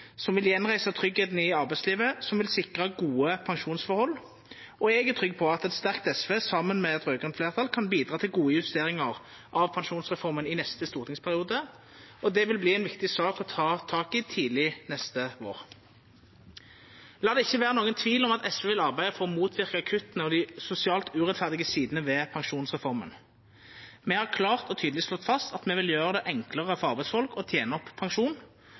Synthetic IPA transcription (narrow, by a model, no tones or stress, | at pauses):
sɔmʋɪljɛnʁæɪsət̪ʰʁʏɡheːt̪nɪɑʁbæɪsliːʋəsɔmʋɪlsɪkʁɑɡuːəpʰɑŋʃuːnsfɔʁhɔlː | ʔɔɛɡət̪ʰʁʏɡːpʰɔɑt̪ɛt̪st̪æʁkt̪ɛsʋeːsɑmːənmɛɛt̪ʁøːɡʁɛnfleːʁt̪ʰɑlkʰɑnbiːd̪ɾʁɑːt̪ʰɪlɡuːəjəʉst̪eːʁɪŋɑʁ | ʔɑʋpʰɑŋʃuːnsʁɛfɔʁmənɪnɛst̪əst̪uːʁt̪ʰɪŋspʰæʁɪuːd̪ə | ɔd̪ɛʋɪlbliːɛɪnʋɪkt̪ɪsɑːkɔt̪ʰɑːt̪ʰɑːkɪt̪ʰiːlɪnɛst̪əʋo̰ːʁ | lɑːd̪ɛɪçːəʋæːʁənoːɡənt̪ʰʋiːlɔmɑt̪ɛsʋəːʋɪlɑʁbæɪd̪əfɔʁɔmuːt̪ʰʋɪʁkəɑkʰʉt̪ənəɔd̪ɪsʊsɪɑːlt̪ʉʁɛt̪fæʁd̪ɪɡəsiːd̪ənəʋɛːpʰɑŋʂuːnsʁɛfɔʁmə̰n | mɛhɑʁkʰlɑːʁt̪ɔt̪ʰyːd̪lɪsʃlɔt̪ːfɑst̪ɑt̪mɛʋɪljøːʁəd̪ɛʔɛŋkləʁəfɔɑʁbæɪsfɔlkɔt̪ʰjeːnəɔpʰːɑŋʃuːn